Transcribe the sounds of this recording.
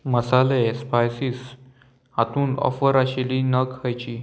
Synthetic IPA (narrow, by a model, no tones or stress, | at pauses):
məsalespajsiːs | hat̪uːnɔ̰fəɾaɕeliːnəkhajt͡ɕiː